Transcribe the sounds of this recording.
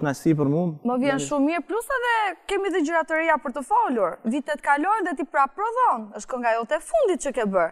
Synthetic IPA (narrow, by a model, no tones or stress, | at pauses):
nasip̬əɾmummɔvjɛnʃummːiɾplusɛðɛkɛmiðəd͡ʒəɾat̪əɾiapəɾt̪əfɔluɾvit̪ɛt̪ə̥kalɔjnðɛt̪̬ipɾapɾɔðɔnəʃt̪kɔŋɡajɔt̪ɛfund̪it̪̚t͡ʃəkɛbəɾ